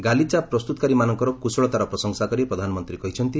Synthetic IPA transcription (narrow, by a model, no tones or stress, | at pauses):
ɡalit͡ʃapɾɔst̪ut̪ɔkaɾimanɔŋkɔɾɔkusɔɭɔt̪aɾɔpɾɔsɔŋsakɔɾipɾɔd̪ʱanɔmɔnt̪ɾikɔɦit͡ʃʰɔnt̪i